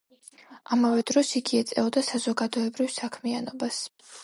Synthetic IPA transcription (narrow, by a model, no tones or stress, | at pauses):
amavɛd̪ɾɔsiɡiɛt̪sʼɛ̰ɔd̪asazɔɡad̪ɔɛbɾifsakʰmianɔbas